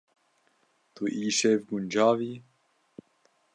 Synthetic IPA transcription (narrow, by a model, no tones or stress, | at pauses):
t̪uʔiːʃevɡund͡ʒaːviː